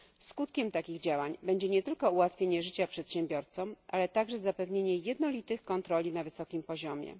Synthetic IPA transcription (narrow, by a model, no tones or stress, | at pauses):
skut̪kʲɛmt̪akʲiɣd͡ʑawaɲbɛɲd͡ʑɛɲɛt̪ɘlkɔuwat̪fʲjeɲɛʐɘt͡ɕapʂɛt̪ɕɛmbʲjɔɾt̪sɔmʔalɛt̪aɡʐɛzapɛvɲeɲɛjɛd̪nɔlʲit̪ɘxkɔnt̪ɾɔlʲinavɘsɔkʲimpɔʑɔmʲjɛ̰